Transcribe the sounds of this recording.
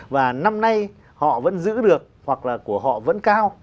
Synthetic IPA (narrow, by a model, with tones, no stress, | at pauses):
vaː˨˩na˧mna˧j | hɔ̰˧˨və̰˧˥nzɨ̰˧˥ɗɨ˨˩ək̚hwa˨˩k̚laː˨˩ku˧˩əɦɔ̰˧˨və̰˧˥nkaː˧w